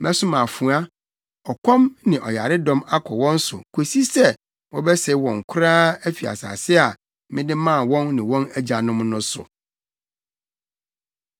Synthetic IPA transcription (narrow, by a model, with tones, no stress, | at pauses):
mɛ˦sʊ˦mã˨fu˨˦a˦ | ɔ˨kʰɔ̃˦mnɪ̃˨ʔɔ˨ja˨ɾɪ˦dɔ̃˦ma˦kʰɔ˨wɔ̃˦n˦sʊ˨kʰo˨si˦sɛ˦ | wɔ̃˦bɛ˦se˨˦wɔ̃˨ŋ̩˨kʰʊ˦ɾaː˦æ˦fi˨a̰˨sa̰ː˨sɪ˦a˨ | mɪ̃˦dɪ˦mã˦˨wɔ̃˦nːɪ̃˨wɔ̃˦næ˦d͡ʑa˨nʊ̃˦mnʊ̃˦sʊ̰˨